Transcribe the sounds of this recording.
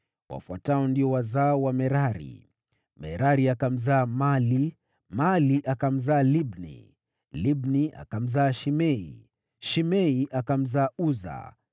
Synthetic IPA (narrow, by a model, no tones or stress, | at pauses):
wa̰fwataɔndiɔwazaɔwamɛɾaɾḭ | mɛ̰ɾaɾiakam̩zaːmali | maliʔakam̩zaːlibnḭ | libnia̰kam̩zaːʃimɛḭ | ʃimɛiʔakam̩zaːuza̰